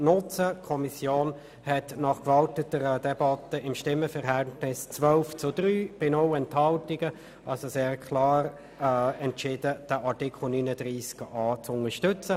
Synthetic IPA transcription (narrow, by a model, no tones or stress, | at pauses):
nʊt͡səkʰɔmisjoːn | hɛtnɑχkvɑltətəɾədɛbɑtəɪmʃtɪmːəfɛʁɦɛltnɪst͡svœlft͡sʊd̥ɾyːb̥ɪnoʊɛnthɑltɪɡ̥ə | ʔɑlsoseːʁkʰlɑːɾ | ɛntʃɪdəd̥əʔaʁtikχl̩nyːnədʁiːskɑːt͡sʊŋəʃtʏt͡sə